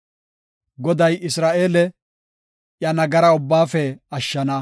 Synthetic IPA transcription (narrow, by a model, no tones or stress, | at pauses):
ɡɔd̪ɐjɪsɾaːʔeːlɛ | jɐnɐɡɐɾɐʊbːaːfɛɐʃːɐnɐ